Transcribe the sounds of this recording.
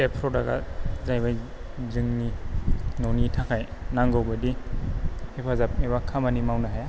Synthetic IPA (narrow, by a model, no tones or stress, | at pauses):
epʰɾɔdaɡa̰zajbaj | zɯŋninonitʰakʰajnaŋɡawbadi | hepʰazap̚ebakʰamanimawnaɦaja